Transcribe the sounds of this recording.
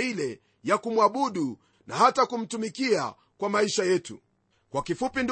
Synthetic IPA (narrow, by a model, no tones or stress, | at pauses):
ilɛ | jakumwaɓuɗu | nahatakum̩tumikia̰ | kwamaiʃajɛtṵ | kwakifupind